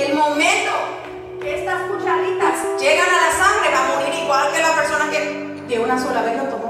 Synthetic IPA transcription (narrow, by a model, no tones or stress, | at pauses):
elmomẽnt̪o | keest̪askut͡ʃaɾit̪asd͡ʒeɣanalasaŋɡɾekamomiɾiɣwalkelapeɾsonake | d̪eunasolaβenot̪o